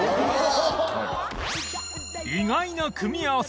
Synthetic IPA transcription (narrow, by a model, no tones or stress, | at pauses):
iŋainakʰɯmiaos